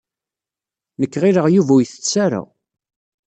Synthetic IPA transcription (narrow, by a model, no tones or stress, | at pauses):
nəkːʁiɾəʁjuvæjθə̥t͡sːaɾa̰